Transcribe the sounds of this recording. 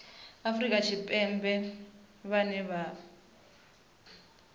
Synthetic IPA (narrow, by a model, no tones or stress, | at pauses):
afrikʼat͡ʃʰipʼɛmbɛ | βanɛβa